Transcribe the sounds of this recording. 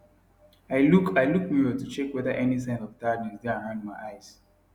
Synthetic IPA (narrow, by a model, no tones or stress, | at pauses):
aɪlukaɪlukmiɹɔtut͡ʃɛkwɛðəʔɛnis̬ãɪ̃ndɔvdaɡnɛ̃sdɛ̃hãnd̚maɪʔaɪz̥